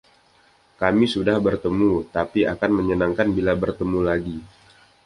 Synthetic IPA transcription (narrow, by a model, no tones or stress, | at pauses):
kamisudahbərt̪əmut̪apiakanməɲənaŋkanbilabərt̪əmulaɡi